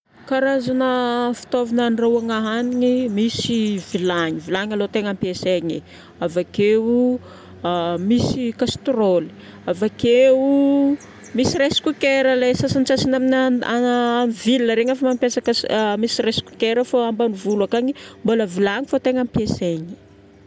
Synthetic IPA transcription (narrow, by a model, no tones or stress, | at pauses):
kaɾazanəfi̥t̪ovinanrauaŋaɦaniɲimisivilaɲivilaɲalot̪eŋampjeseɲi | avakeu | misikast̪roli̥ | avakeu | misiɾesi̥kukeɾəlesasant͡sasinaminaaamivilinəɾeŋəfamampjasakəmisiresi̥ku̥keɾəfoambanivulakaɲimboləvilaŋifot̪eŋampeseɲi̥